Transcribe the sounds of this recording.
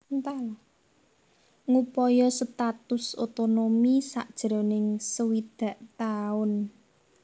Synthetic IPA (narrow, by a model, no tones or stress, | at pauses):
nt̪al | ŋupɔjɔsət̪at̪ʊsot̪onomisa̰ʔd̥ʒ̥ɾo̤nɪŋsəwid̪̥ä̤ʔt̪aʊn